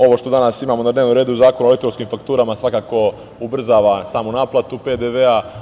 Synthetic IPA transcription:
o̞ʋo̞ʃt̪o̞d̪anasimaːmonad̪neːʋnomɾe̞ːd̪uzaːko̞nuolikt̪oskimfakt̪uːɾamasʋakaːko̞ | ubr̩zaːʋasaːmonaːplˠat̪uped̪eʋea

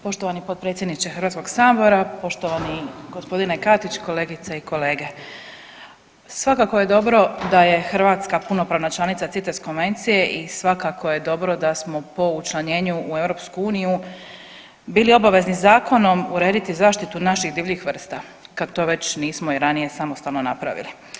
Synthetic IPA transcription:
po̞ʃt̪oʋanipot̪̚pɾet̪sʲjed̪nit͡ɕexəɾ̩ʋaːt̪sko̞ɡsaːbo̞ɾapo̞ʃt̪o̞ʋaniɡo̞spo̞d̪inekat̪it͡ɕko̞le̞ːɡit̪saiko̞le̞ːɡe̞ | sʋakako̞je̞d̪o̞bɾo̞d̪aje̞xɾʋaːt̪skapuno̞pɾaːʋnat͡ʃlˠanit̪sat̪sit̪esko̞nʋe̞nt̪sije̞ʔisʋakako̞je̞d̪o̞bɾo̞d̪asmo̞po̞ut͡ʃlˠaɲe̞ːɲuːe̞wɾo̞pskuuːniju | biːlio̞baʋe̞znizaːkʰo̞no̞muɾe̞ːd̪it̪izaːʃt̪it̪unaʃiɣd̪iːʋʎixʋr̩st̪a | kat̪o̞ːʋe̞t͡ɕniːsmoiɾanije̞samost̪alno̞napɾa̰ʋḭli

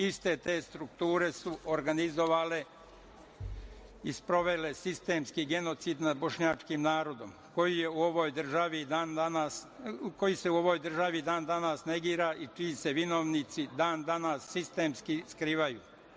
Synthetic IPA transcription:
ist̪e̞t̪e̞ːst̪ɾukt̪uːɾe̞suʔoɾɡanizo̞ʋaːle | ispɾo̞ʋe̞le̞sist̪e̞ːmskiɡe̞no̞t̪sid̪nad̪̚bo̞ʃɲaːt͡ʃkimnaːɾo̞d̪o̞̰m | ko̞jije̞uoʋo̞ːjd̪r̩ʒaʋid̪ananas | ko̞jise̞uo̞ʋo̞jd̪r̩ʒaʋid̪aːnd̪anasne̞ɡiːɾaʔit͡ʃise̞ʋino̞ʋnit̪sid̪aːnd̪anasːist̪e̞ːmskiskɾiːʋajṵː

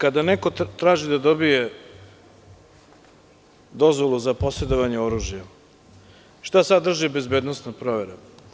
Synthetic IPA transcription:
kad̪aneko̞t̪ɾaːʒid̪ad̪o̞bije | d̪o̞zʋolˠuzapo̞sɾe̞d̪oʋaɲeo̞ɾuːʒja | ʃt̪asad̪ːr̩ʒibe̞zbeːd̪nosnopɾo̞ʋeɾe

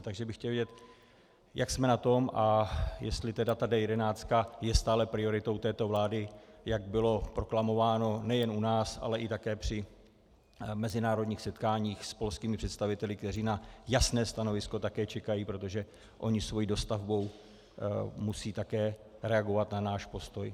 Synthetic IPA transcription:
t̪aɡʒɛbɪxcɛlvjɛɟɛt̪ | jaksmɛnat̪o̞mʔajɛst̪lɪt̪ɛdat̪adɛjɛdɛnaːt͡st̪̚kajɛst̪aːlɛpɾɪo̞ɾɪt̪o̞wt̪ɛːt̪o̞vlaːdɪjaɡbɪlo̞pɾo̞klamo̞vaːno̞nɛjɛnunaːsʔa̰lɛʔɪt̪akɛːpr̝̥ɪ | mɛzɪnaːɾo̞dɲiːxsɛt̪kaːɲiːxspo̞lskiːmɪpr̥ɛt̪st̪avɪt̪ɛlɪkt̪ɛr̝iːnajasnɛːst̪ano̞vɪsko̞t̪akɛːt͡ʃɛkajiːpɾo̞t̪oʒɛ | ʔo̞ɲɪsvo̞jiːdo̞st̪avbo̞w | musiːt̪akɛːɾɛaɡo̞vat̪nanaːʃpo̞st̪o̞j

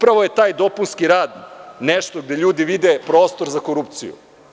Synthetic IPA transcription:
upɾaʋojet̪aːjd̪o̞punskiɾaːd̪neʃt̪oɡd̪eʎuːd̪iʋid̪epɾoːst̪o̞ɾzako̞ɾupt̪sḭjṵ

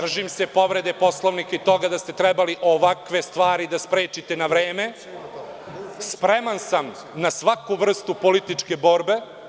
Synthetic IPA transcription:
d̪r̩ʒimsepo̞ʋɾe̞d̪e̞po̞sloʋnikait̪o̞ɡad̪ast̪et̪ɾɛbaliʔoʋakʋe̞st̪ʋaːɾid̪aspɾeːt͡ʃit̪enaʋɾeːme̞ | spɾemansam | nasʋakuʋr̩st̪upolit̪it͡ʃke̞bo̞ɾbe̞

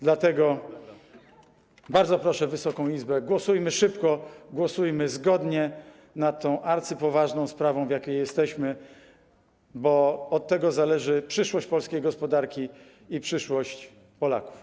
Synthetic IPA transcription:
d̪lat̪ɛɡɔ | baɾd̪zɔpɾɔʂɛvɘsɔkɔ̃w̃izbɛɡwɔsujmɘʂɘpkɔɡwɔsujmɘzɡɔd̪ɲɛ | nat̪ʰːɔ̃w̃ʔaɾt̪sɘpɔvaʐnɔ̃w̃spɾavɔ̃w̃vjakʲejjɛst̪ɛɕmɘ | bɔɔt̪ːɛɡɔzalɛʐɘpʂɘʂwɔɕt͡ɕpɔlskʲejɡɔspɔd̪aɾkʲi | ipʂɘʂwɔɕt͡ɕ | pɔla̰ku̥f

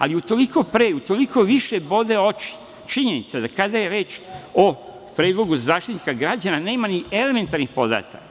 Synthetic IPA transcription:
a̰liut̪o̞liko̞pɾe̞ːut̪o̞liko̞ʋiʃe̞bo̞d̪e̞o̞t͡ʃi̥ | t͡ʃiɲe̞nit̪sad̪akad̪aje̞ɾe̞ːt͡ʃo | pɾeːd̪lo̞ɡuzaːʃt̪it̪ni̥kaɡɾad͡ʑanane̞ːmaniele̞me̞nt̪aɾnixpo̞d̪a̰ːt̪a̰k

